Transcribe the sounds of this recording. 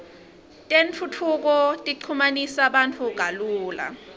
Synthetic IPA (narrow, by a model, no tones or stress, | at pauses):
tʼent͡fʰut͡fʰuk̬ɔtʼiǀʰumanisaɓantʰuɡ̥ʱaluːla̰